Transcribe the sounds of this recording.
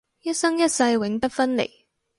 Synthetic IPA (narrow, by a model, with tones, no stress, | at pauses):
jɐ˥t̚sɐ˥ŋjɐ˥t̚sɐ˧jwɪ˨˥ŋpɐ˥t̚fɐ˥nlḛ˨˩j